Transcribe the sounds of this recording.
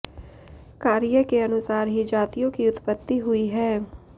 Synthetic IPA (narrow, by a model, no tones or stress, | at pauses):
kaːɾɪjəkeɐnʊsaːɾɦid͡ʒaːt̪ijõkiʊt̪pət̪ːiɦʊiɦɛː